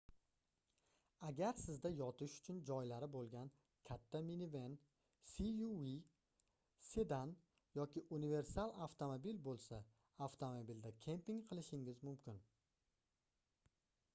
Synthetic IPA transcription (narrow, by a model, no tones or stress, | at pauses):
aɡʲaɾsɪzd̪ajɒt̪ʰɪʃʊ̥t͡ʃʰʊnd͡ʒɒjlaɾɪbolˠɡʲan | kʲʰat̪ʰːaminive̞n | siui | se̞d̪an | jɒkʲɪʔunive̞ɾsalˠaft̪ʰomobilbolˠsa | aft̪ʰomobild̪akʲʰe̞mpiŋqʰɨlˠɪʃɪŋɪzmʊmkʲɪn